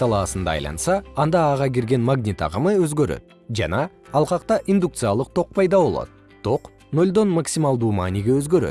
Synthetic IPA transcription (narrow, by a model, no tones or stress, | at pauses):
t̪ʰɑlˠɑsənd̪ɑ̰ːjlˠɑ̰nsɑːnd̪ɑːʁɑkʲʰeɾɡʲe̞nmaɡnʲit̪ɑ̰ʁəməwɵzɡʲeɾḛd̪̥ | ʒæ̰nɑːlˠqɑqt̪ɑʔind̪ukt̪sɨjalˠəq̚t̪ʰo̞q̚pʰɑjd̪ɑbo̞lˠɑ̰d̪̥ə | t̪ʰo̞q | no̞lʲd̪o̞nmaksʲimɑlˠd̪umɑniɡʲewɵzɡʲe̞ɾḛ